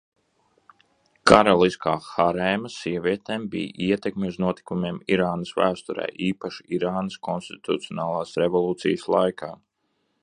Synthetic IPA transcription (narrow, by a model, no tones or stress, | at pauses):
kaɾalˠiskaːxaɾɛːmɐsiɛvʲiɛt̪eːmbḭj̰ʔiɛt̪ekmʲeuznuɔt̪i̥kumeːmiɾaːnɐsvæ̰ːst̪uɾɛ̰ːʔiːpaʃiiɾaːnɐskɔnst̪i̥t̪ut̪siɔnaːlˠaːsɾevɔlˠuːt̪sḭjəslˠajkʰaː